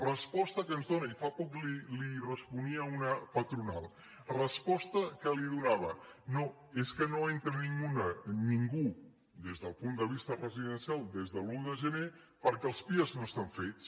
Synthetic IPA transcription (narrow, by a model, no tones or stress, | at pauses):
rəspɔst̪əkənzðonəifapɔklilirəspuniəunəpət̪ɾunalˠ | rəspɔst̪əkəliðunaβ̞əno | eskənoent̪ɾəniŋɡunəniŋɡu | d̪ezðəlˠpund̪əβ̞ist̪ərəziðənsialˠd̪ezðəluðəʒəne | pəɾkɛəlˠspiəznoəst̪aɱfet͡s